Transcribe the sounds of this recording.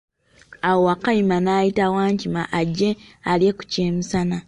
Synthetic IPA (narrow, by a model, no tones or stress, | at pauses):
awowakajimanaːjitawaːɲcimaʔaɟːe̞alje̞ku̥ceːmusana